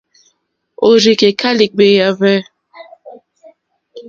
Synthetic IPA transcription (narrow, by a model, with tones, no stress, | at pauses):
o˨ɾi˨ke˨kʰa˦li˨k͡pe˨ja˨vɛ˦